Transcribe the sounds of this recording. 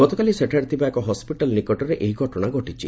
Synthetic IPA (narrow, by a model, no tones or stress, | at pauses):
ɡɔt̪ɔkaliseʈʰaɽt̪ʰibaekɔɦɔspiʈalnikɔʈɔɾeʔeɦiɡʱɔʈɔɽ̃aɡɔʈit͡ʃʰḭ